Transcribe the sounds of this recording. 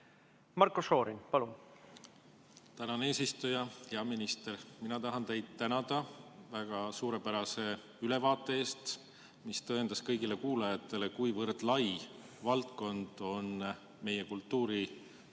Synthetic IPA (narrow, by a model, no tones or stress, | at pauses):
mɑrkuso̞ːɾinpɑlun | t̪ænɑne̞ːsist̪ujɑjɑminist̪e̞rminɑt̪ɑɦɑnt̪e̞jd̪̥̚t̪ænɑd̪̥ɑvæɡ̥ɑsuːɾe̞pæɾɑse̞ | yle̞vɑːt̪ːˑe̞e̞ːst̪ | mist̪ɤend̪ɑskɤjɡile̞kuːlɑjɑt̪ːˑe̞le̞kujvɤrd̪̥lɑj | vɑlt̪ko̞nd̪̥o̞n | me̞je̞kult̪ːuːɾi